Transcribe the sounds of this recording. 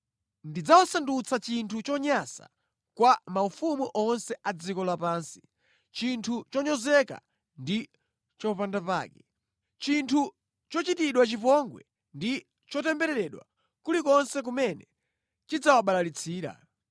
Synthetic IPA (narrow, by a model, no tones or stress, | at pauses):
ndid͡zawasandut͡sʰat͡ʃintʰut͡ʃɔɲasa̰ | kwamaufumuʔɔnsɛʔad͡zikɔlapaːnsi̥ | t͡ʃintʰut͡ʃɔɲɔzɛka̰ | ndi | t͡ʃɔpandapa̰ːkɛ | t͡ʃintʰu | t͡ʃɔt͡ʃitiɗwat͡ʃipɔŋɡwɛ̰ | ndi | t͡ʃɔtɛmbɛɾɛɾɛɗwa̰ | kulikɔnsɛk̬umɛnɛ | t͡ʃid͡zawaɓalalit͡sʰiːɾa̰